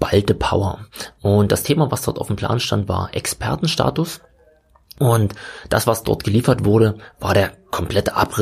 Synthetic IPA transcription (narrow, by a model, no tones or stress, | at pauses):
b̥altəpʰaʊɐʔʊnt̚d̥astʰeːmavasd̥ɔɐtʔa̰ʊfm̩pl̥a̰ːnʃtantv̥a̰ːɐʔɛ̰kspʰɛɐtn̩ʃta̰ːtʊs | ʔʊntd̥asv̥asd̥ɔ̰ɐtɡ̥əliːfɐtv̥ʊɐɾəvaːɐɾeːɐkʰɔmpl̥ɛtəʔa̰pʁɪ